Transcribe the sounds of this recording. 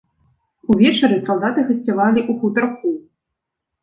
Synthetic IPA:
uvʲɛt͡ʂɐɾɨsalˠd̪at̪ɨɣɨsʲt͡sʲɛvalʲiʔuxut̪ɐrku

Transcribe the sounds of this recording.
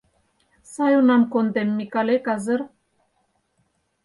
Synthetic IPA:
sajonamkond̪emːikalekazəɾ

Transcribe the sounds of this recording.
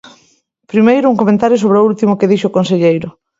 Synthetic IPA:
pɾimejɾʊuŋkomẽnt̪aɾjos̬oβɾeoult̪imokeðiʃokonseʎejɾʊ

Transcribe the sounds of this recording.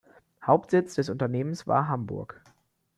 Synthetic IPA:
haʊp̚tz̥ɪt͡sd̥ɛs̬ʔʊntɐneːmənsv̥a̰ːɐɦambʊ̰ɐk

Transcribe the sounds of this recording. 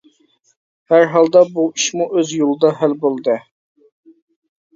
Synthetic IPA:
hæɾɦɑlˠd̪ɑbuiʃmuʔøzjolˠɨd̪ɑɦælbolˠd̪ɨ

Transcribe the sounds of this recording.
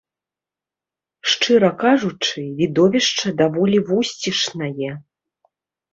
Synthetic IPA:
ʂt͡ʂɨɾɐkaʐut͡ʂɨvʲid̪ɔvʲɛʂt͡ʂɐd̪avɔlʲivusʲt͡sʲiʂnɐjɛ

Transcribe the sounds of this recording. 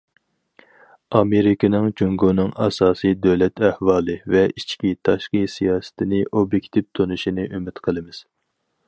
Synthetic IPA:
ɑmeɾɪkʰʲinɨŋd͡ʒuŋɡonɨŋɑsɑːsɨjd̪øwlɛt̪ʰæhwɑːlˠɨvɛit͡ʃʰkʲit̪ʰɑʃqisijɑːsɨ̥t̪ʰɪnɪʔobjekʲt̪ʰipt̪ʰonuʃinɨʔømɪt̪qʰəlˠɨmɪz̥

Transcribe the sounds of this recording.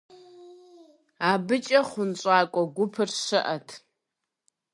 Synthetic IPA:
aːbɨt͡ʃʼɐχʷʊnt͡ɕʼaːkʷʼɔɡʷʊpʰɨrʃɨʔɐtʰ

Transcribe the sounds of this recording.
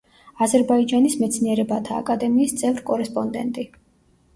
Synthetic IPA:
azɛɾbaid͡ʒanismɛt̪sʰniɛɾɛbat̪ʰa̰ːkʼad̪ɛmiːst̪sʼɛvɾkʼɔɾɛspʼɔnd̪ɛ̰nt̪ʼi

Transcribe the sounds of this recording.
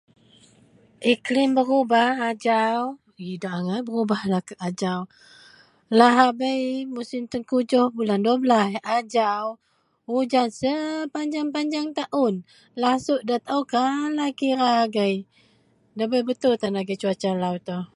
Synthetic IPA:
ʔiklɪmbəɾubahad͡ʒaw | idaʔŋabəɾubahlakəad͡ʒaw | laɦabəjmusimt̪ənkud͡ʒɔhbulandoblasad͡ʒaw | ud͡ʒansəpaɲd͡ʒaŋpaɲd͡ʒaŋt̪aʔʊn | lasʊʔ̚dat̪awkalakiɾaaɡaj | dabəjbət̪ʊlt̪anlaɡat͡ʃuat͡ʃalawt̪ɔh

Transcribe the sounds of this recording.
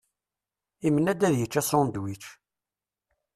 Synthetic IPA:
imənːæd̪æðjət͡ʃːæsɾʊnd̪wit͡ʃː

